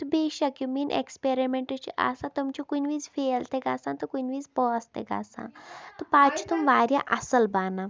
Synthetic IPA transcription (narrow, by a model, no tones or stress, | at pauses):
t̪ubeɕakjumiːnʔḛkspeɾimeɳʈət͡ɕiʔa̰sãt̪umt͡ɕikunʋiːd͡zfelt̪eɡasãnt̪ɔkunʋiːd͡zpɔːst̪ḛɡa̰sã̰t̪ɔpat͡ʃʰut̪umʋaːɾja̰ʔɐsəlbana